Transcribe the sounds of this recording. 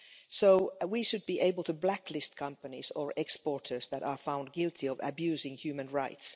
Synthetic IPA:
soʊwiʃɨd̚biʔeɪbəl̩ˠtɨblækʰlɪst̚kʰʌ̃mpənizə˞ʔɛkspɔɹtʰə˞zðæɾəɹfãʊ̃nd̚ɡɪlˠtʰiʌvɨ̰bjʉːzɪ̃ŋhjʉːmɨ̃nɹaɪts

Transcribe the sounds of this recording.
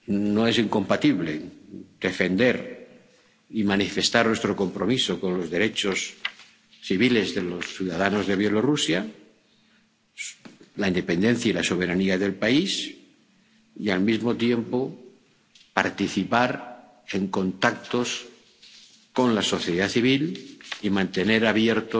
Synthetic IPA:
noe̞siŋko̞mpat̪iβle̞̰d̪̥e̞fe̞nd̪e̞ɾ | imanife̞st̪aɾnwest̪ɾo̞ko̞mpɾo̞miso̞ko̞nlo̞zðe̞ɾe̞t͡ʃo̞s | θiβ̞ile̞zðelo̞sθjuðaðanozðe̞βje̞lo̞rusja | laind̪e̞pẽ̞nd̪e̞n̟θjailaso̞β̞e̞ɾaniaðe̞lpais | ialmizmo̞t̪je̞mpo̞ | paɾt̪iθipaɾ | e̞ŋko̞nt̪ak̚t̪o̞s | ko̞nlaso̞θjeðaθiβ̞ilimãnt̪e̞ne̞ɾaβjeɾt̪o

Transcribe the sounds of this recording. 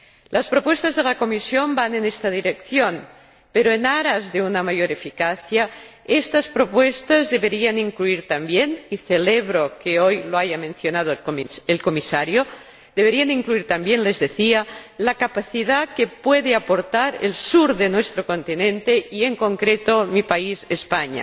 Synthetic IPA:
lʔaspɾopwest̪azðelako̞misjo̞mbanenest̪aðiɾekθjon | peɾoenaɾazðe̞unamajoɾefikaθja | est̪aspɾo̞pwest̪azðeβeɾianiŋkluiɾt̪ambjeniθeleβɾokeojloaʝamẽnθjonað̞oelkomisaɾjo | d̪eβeɾianiŋkluiɾt̪ambjenlezðeθialakapaθiðakepweðeapoɾt̪aɾḛlsuɾðenwest̪ɾoko̞nt̪inẽnt̪eieŋkoŋkɾet̪omipaizespaɲa̰

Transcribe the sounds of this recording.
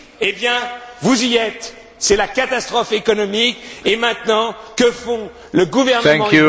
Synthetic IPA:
ebjɛ̃vuziɛt̪ | sɛlakat̪ast̪χɔfekɔnɔmikemɛ̃t̪nɑ̃kəfɔ̃ | ləɡuvɛʁnəɛ̃ɑ̃u

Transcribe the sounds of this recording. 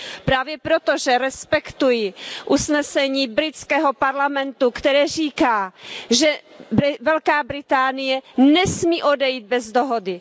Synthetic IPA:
pɾaːvjɛpɾot̪oʒɛɾɛspɛkt̪ujɪʔusnɛsɛɲiːbɾɪt͡skɛːɦopaɾlamɛnt̪ukt̪ɛɾɛːr̝iːkaːʒɛbvɛlkaːbɾɪt̪aːnɪjɛnɛsmiːʔodɛjid̪̚bɛzd̪oɦodɪ

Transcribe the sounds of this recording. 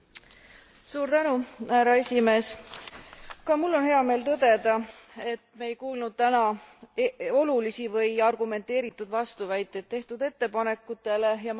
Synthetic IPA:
suːɾt̪ænuhæɾɑe̞sʲime̞ːs | kɑmulːo̞nhe̞ɑme̞ːlt̪ɤd̪̥e̞d̪̥ɑ | e̞t̪ˑmejkuːlnud̪̚t̪ænɑ | o̞lulisivɤjɑrɡume̞nt̪ːˑe̞ːɾit̪ːˑud̪vɑst̪uvæjt̪ːˑed̪̚t̪ːeht̪ud̪̥e̞t̪ːe̞pɑne̞kːˑut̪ːˑe̞le̞jɑ

